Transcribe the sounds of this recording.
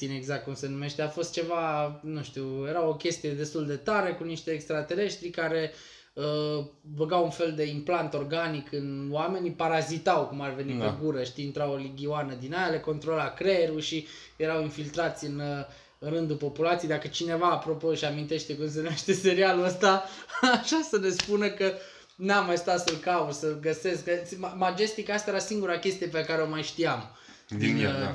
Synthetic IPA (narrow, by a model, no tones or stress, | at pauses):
sineɡzak̚t̪̚kumse̞nume̞ʃt̪eafo̞st̪̚t͡ʃe̞vanuʃt̪iwje̞ɾawo̞kʲe̞st̪ije̞d̪e̞st̪uld̪e̞t̪aɾe̞kuniʃt̪e̞ːkst̪ɾat̪e̞ɾe̞ʃt̪ɾikaɾe̞ | ə | bəɡawunfe̞ld̪e̞implant̪o̞rɡanikɨnowame̞nipaɾazit̪awkumarve̞nieɡuɾəʃt̪iːnt̪ɾawoliɡʲioanəd̪inajaleko̞nt̪ɾolakɾeɾuʃi | je̞ɾawinfilt̪ɾat̪sʲɨn | rɨnd̪upo̞pulat̪siejd̪akət͡ʃine̞vaːpɾo̞po̞ʃiamint̪e̞ʃt̪e̞kums̬e̞naʃt̪e̞se̞ɾialuəst̪aaʃasəne̞spunəkə | namːajsu̥t̪asəlkausəlɡəse̞skkəmamad͡ʒe̞st̪ikaast̪aeɾasiŋɡuɾakʲe̞st̪ijepekaɾeo̞majʃt̪iam | d̪in